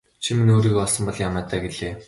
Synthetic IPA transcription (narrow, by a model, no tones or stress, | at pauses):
t͡ɕʰiminoːɾiːkpɔɮsɞ̆mpɔɮjamaːt̪ʰaːɡeɮeː